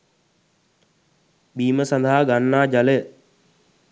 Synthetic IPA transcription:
biːməsand̪aɦaɡanːaːd͡ʒaləə

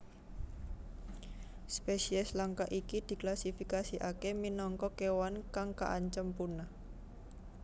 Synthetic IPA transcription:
spesiɛslaŋkaʔikid̪̥i̤klasifikasiʔakeminɔŋkɔkewankaŋka̰ʔaɲt͡ʃəmpuna

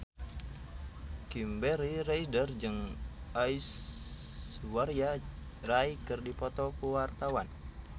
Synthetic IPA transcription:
kimbɛɾiraidərd͡ʒɨŋais | waɾja | raikɨrdipɔt̪ɔkuwart̪awan

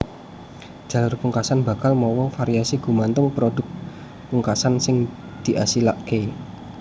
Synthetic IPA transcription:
d͡ʒ̥ä̤lʊrpuŋkasanba̤kalmɔwɔfaɾiasiɡṳmant̪ʊŋpɾodʊk̚ | puŋkasansɪŋ | d̪̥i̤ʔasilaʔke

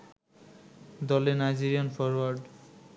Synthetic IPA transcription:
d̪ɔlenajd͡ʑiɾiɔnfʰɔɾwaɾɖ

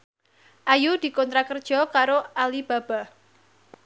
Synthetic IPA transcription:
ʔajud̪̥i̤kɔnt̪ɾakərd̥ʒ̥ɔ̤kaɾoalib̥a̤b̥a̤

